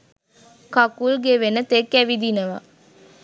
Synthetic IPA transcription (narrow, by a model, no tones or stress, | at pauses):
kɐkulɡeʋenət̪ekːæʋid̪inəʋa̰